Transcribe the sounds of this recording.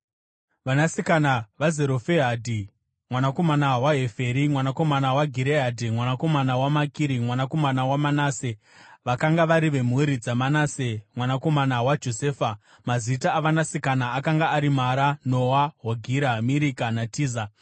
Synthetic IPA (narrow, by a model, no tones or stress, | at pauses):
ʋanasikanaʋazeɾo̞feɦadʱi | mwanako̞manawaɦe̞feɾimwanako̞manawaɡʱiɾeɦadʱimwanako̞manawamakiɾimwanako̞manawamanaːse | ʋakaŋɡaʋaɾiʋe̞m̤uɾid͡zamanaːsemwanako̞manawad͡ʒo̞seːfa | mazitaːʋanasikanaːkaŋɡaːɾimaɾanowaɦoɡʱiɾamiɾikanatiːza